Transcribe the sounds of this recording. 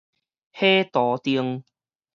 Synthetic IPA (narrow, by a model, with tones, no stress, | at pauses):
heː˦˥t̪ɔː˨˩t̪i˧əŋ